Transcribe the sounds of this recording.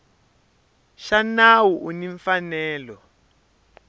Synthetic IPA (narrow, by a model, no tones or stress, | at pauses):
ʃanawuʔuniɱfanɛːlɔ